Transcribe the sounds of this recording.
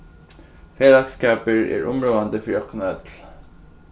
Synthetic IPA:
feːlakskɑːpəɹɛ̰ːɹʔʊ̰mɹoːand̪əfiɾiɔknaœt̪l̥

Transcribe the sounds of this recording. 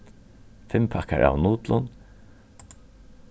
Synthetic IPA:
fɪmpʰaka̰ɹʔa̰wnuːt̪lʊn

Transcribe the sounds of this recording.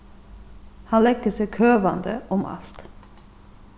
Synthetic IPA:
hɑnlɛkəsekʰøːʋɑnd̪əʔʊmʔɑ̰lt̪

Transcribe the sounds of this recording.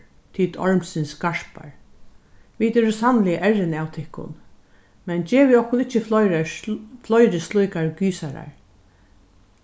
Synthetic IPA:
t̪ʰiːt̪ʰɔ̰ɹmsɪnskaʂpa̰ɹ | ʋit̪ɛɾʊsanlɪəʔɛɹɪnawt̪ʰɪhkːʊ̰n | mɛnd͡ʒɛːvɪɔhkʊnɪht͡ʃːɪfɔ | flɔjɾɪslujkaɹkyːsaɾa̰ɹ

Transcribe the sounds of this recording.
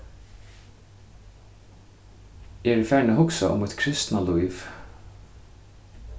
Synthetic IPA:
ɛɾfjæːɳəhʊksa̰ʔʊ̰mɛt̪kʰɾɪst̪nalujv

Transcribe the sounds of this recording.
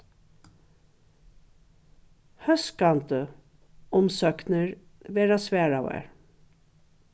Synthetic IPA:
hœskɑnt̪ə | ʔʊmsøːknəɹ | ʋeːɹɑsʋæːɹɑʊə̰ɹ

